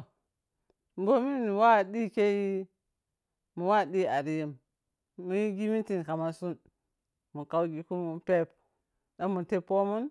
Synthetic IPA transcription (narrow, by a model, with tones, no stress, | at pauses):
m˨bo˦mi˦n˨wa˦˨ɗi˦ke˦ji˦ | mu˨wa˦˨ɗi˦a˨ɾi˨ji˨mː | u˨˦ji˦ɡi˦mi˦ti˨n˨ka˨ma˨su˦n | mu˨ka˦wɡi˦ku˦mu˦pe˦p | da˦mu˨te˦po˦mu˦n